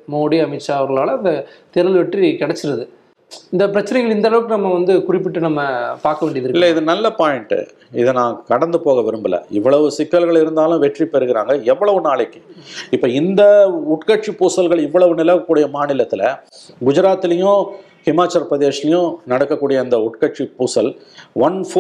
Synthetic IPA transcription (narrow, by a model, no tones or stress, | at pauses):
moːɽiɐmɪt͡ʃːaːɐʋɐɾɣɐɭaːlɐɐnd̪ɐt̪ɛɾɯlʋɛʈrikɛɽɛt͡ʃːɪɾɐðɯ | ɪnd̪ɐpɪɾɐt͡ʃːɐnɐɪŋɡɐɭɪnd̪ɐlɐʋɯkːɯnɐmːɐʋɐnd̪ɯkʊrɪpːɪʈːɯnɐmːɐpaːɾkɐʋeːɳɖɪjɐðɪɾɯkɪlːɐɪðɯnɐlːɐpaːjɪɳʈɯ̰ | ɪðɯnãːkɐɽɐnd̪ɯpoːɣɐʋɪɾɯmbɯlɐ̰ɪʋːɐɭɐʋɯsɪkːɐlɣɐɭɪɾɯnd̪aːlʊ̃ʋɛʈripɛɾɯɣɪɾa̰ːŋɡɐɛʋːɐɭɐʋɯnaːɭɐkːɯ̥ɪpːoːɪnd̪ɐʊʈkɐʈ̚t͡ʃipuːsɐlɣɐɭɪʋːɐɭɐʋɯnɪlɐɐkːuːɽɪjɐmaːnɪlɐt̪ːɪlɐ | ɡʊd͡ʒɪɾaːt̪ːɪlɐjʊ̃ | hɪmaːt͡ʃːɐɾpɾɐðeːsɪlɐjʊ̃nɐɽɐkːɐkːuːɽɪjɐɪnd̪ɐʊʈkɐʈ̚t͡ʃipuːsɐlʋɐnfoː